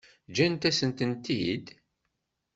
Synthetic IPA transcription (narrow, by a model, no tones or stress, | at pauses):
d͡ʒænt̪æsənt̪ənt̪id̪